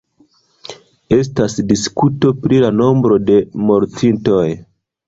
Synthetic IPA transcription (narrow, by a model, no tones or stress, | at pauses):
e̞s̬tasdiskuto̞pɾilano̞mbɾo̞de̞mo̞ɾtinto̞j